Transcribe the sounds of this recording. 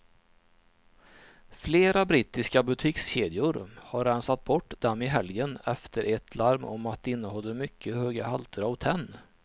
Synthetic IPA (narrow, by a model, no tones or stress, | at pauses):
fleːɾabɾiːt̪ɪskabɵt̪ʰɪːksɕeːd̪ɪʊɾhaɾːɛnsat̪̚bɔʈːd̪ɛmːɪɦɛljənɛft̪ʰəɾʔɛt̪ʰlaɾmɔmat̪̚d̪ɛɪnːəhɔlːəmʏkʰːəhøːɡahalt̪ʰəɾavt̪ʰɛnː